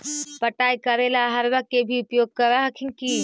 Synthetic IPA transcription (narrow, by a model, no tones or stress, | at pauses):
pəʈaːikəɾelaɦəɾʋəkebʱiʊpjoːɡ̚kəɾaɦkʰinki